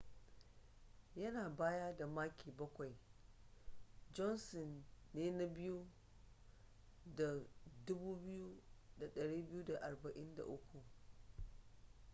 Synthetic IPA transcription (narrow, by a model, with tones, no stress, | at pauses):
jɐ˦naː˨baː˦ja˦da˨maː˦kʲiː˨bɐ˦kʷa˨j | d͡ʒɔ˦nsɔ˨nːeː˦na˦bɪ˦ju˦ | da˨dʊ˦buː˦bɪ˦ju˦da˨ɗɐ˨ɽiː˦bɪ˦ju˦da˨ʔa˨rbɐ˨ʔɪ˦nda̰˨ʔʊ˦kʷu˨